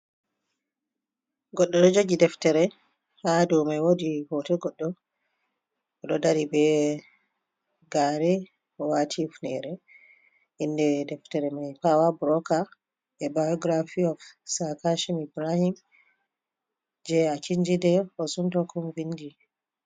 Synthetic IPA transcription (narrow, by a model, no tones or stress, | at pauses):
ɡɔɗːɔdɔd͡ʒoɡidɛftɛɾɛ | hadɔwmajwodihɔtɛɡɔɗːɔ | ɔɗɔdaɾibɛ | ɡaɾɛ | ɔwatʰifnɛ̰ɾɛ | indɛdɛftɛɾɛmajpawabɾɔka | ʔɛbajɔɡɾafiɔfsakaʃimibɾahim | d͡ʒɛakiɲd͡ʒidɛɔsuntɔkɔmvindi